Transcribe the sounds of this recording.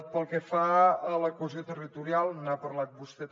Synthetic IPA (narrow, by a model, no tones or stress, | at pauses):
t̪pəlˠkɛfaələkwəziot̪ərit̪uɾialˠnapəɾlat̪̚bust̪ɛt̪